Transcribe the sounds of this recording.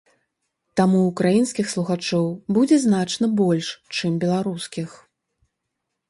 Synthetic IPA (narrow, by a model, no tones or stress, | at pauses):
t̪amuːkɾajinskʲixslˠuɣat͡ʂɔwbud͡zʲɛznat͡ʂnɐbɔlʲʂt͡ʂɨmbʲɛlˠaɾuskʲix